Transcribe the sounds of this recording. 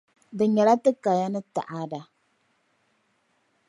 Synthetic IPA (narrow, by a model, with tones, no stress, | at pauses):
bɨ˨ɲɛ˨la˦tɨ˦ka˨ja˦nɨ˦ta̰˨ʔa˦da˨